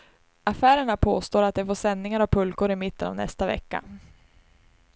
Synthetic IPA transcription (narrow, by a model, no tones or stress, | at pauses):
afæːɾəɳapʰoːst̪oːɾat̪̚d̪ɛfoːʂɛnːɪŋaɾapʰɵlkʊɾɪmɪt̪ːəna̰vnɛ̰st̪avɛ̰kːa̰